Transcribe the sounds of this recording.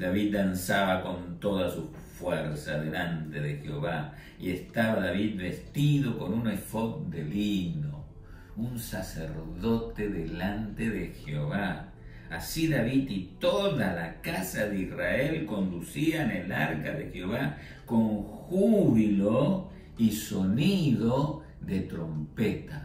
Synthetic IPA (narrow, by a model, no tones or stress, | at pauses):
d̪aβit̪̚d̪ansaβako̞nt̪oðasu | fweɾsaðelant̪eðexeoβa | iest̪aβaðaβit̪̚βest̪iðo̞ko̞nunesfok̚d̪elino | unsasḛɾðo̞t̪eðelant̪eðexeoβa | asiðaβit̪it̪oðalakasaðeisrae̞lko̞nd̪usiaenelaɾka̰ðexeoβa | ko̞ŋxuβilo | iso̞niðo | ðet̪ɾo̞mpet̪a